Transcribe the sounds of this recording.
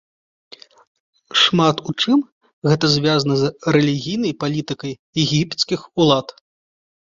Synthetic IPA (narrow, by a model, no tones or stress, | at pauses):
ʂmat̪ut͡ʂɨm | ɣɛt̪ɐzʲvʲjazɐnɐzrɛlʲiɣʲijnɐjpalʲit̪ɨkɐj | ɛɣʲipt̪skʲixulˠat̪